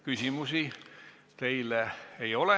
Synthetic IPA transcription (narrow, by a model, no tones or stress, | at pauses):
kysʲimusi | t̪e̞jleejo̞le